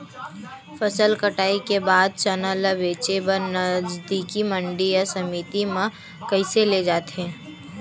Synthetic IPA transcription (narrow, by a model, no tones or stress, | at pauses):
fəsəlkəʈaːikebaːd̪̚t͡ʃənələbeːt͡ʃebəɾnəd͡ʒd̪ikimə̃ɳɖijasɐmiːt̪imã | kəɪseled͡ʒaːt̪eɦɛ̃ː